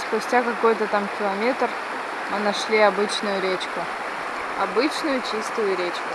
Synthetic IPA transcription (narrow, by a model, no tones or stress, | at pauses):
spʊsʲtʲakɐko̞jt̪ət̪amkʲɪlˠɐmʲe̞t̪r | mɨnɐʂlʲiɐbɨt͡ɕnʊjʊɾʲet͡ɕkʊ | ɐbɨt͡ɕnʊjʊt͡ɕist̪ʊjʊɾʲet͡ɕkʊ